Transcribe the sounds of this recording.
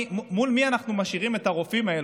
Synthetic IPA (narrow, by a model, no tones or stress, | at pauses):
umulmianaχnumaʃiʁime̞taʁo̞fimael